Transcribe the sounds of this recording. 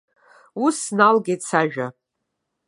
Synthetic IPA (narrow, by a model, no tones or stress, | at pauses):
usnalɡʲit͡sʰaʒᶣa